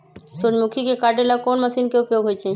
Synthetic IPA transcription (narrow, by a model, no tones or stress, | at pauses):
sud͡ʒmukʰikekaɾɖelakonməsiːnkeupjoɡɦojt͡ʃʰe